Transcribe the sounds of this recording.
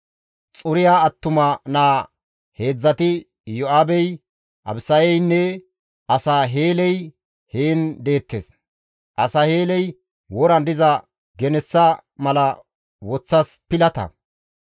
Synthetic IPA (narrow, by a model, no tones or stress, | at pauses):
t͡sʼʊɾɪjaːɐt̪ːʊmɐnaː | he̞ːd͡zːɐt̪ɪ | jɔʔaːbɛj | ʔɐ̰bsɐjɛjnːɛ | ʔɐsaɦe̞ːlɛj | heːnd̪e̞ːt̪ːeːs | ʔɐsɐheːlɛj | wɔɾɐnd̪ɪzɐ | ɡɛnɛsːɐmɐlɐ | wɔt͡sːɐspɪlɐt̪ɐ̰